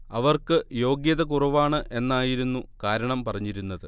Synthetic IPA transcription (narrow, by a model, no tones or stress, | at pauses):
ɐʋɐrkɨjo̞ːɡjɐðɐkurɐʋaːɳɨʔe̞nːaːjiɾunːukaːɾɐɳɐmpɐrɐɲːiɾunːɐðɨ